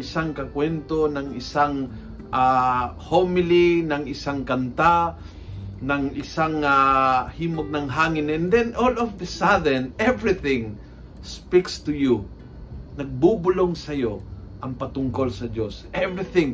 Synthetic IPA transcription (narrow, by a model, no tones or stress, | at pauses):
ɪsaŋkɐkwɛnt̪onɐŋɪsaŋ | ʔahomɪlɪnɐŋɪsaŋkɐnt̪a | nɐŋʔɪsaŋahiːmoɡ̚nɐŋɦaːŋɪnɛnd̪ɛnʔolɔfd̪ɐsaðɛnɛvɹɪθɪ̃ŋ | spikst̪ʊju | nɐɡ̚bubʊloŋsɐjoʔɐŋpɐt̪ʊŋkolsɐd͡ʒosʔɛvɹɪθɪ̃ŋ